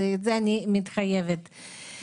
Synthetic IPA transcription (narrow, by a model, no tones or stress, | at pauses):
eet̪zeanimit̪χajevet̪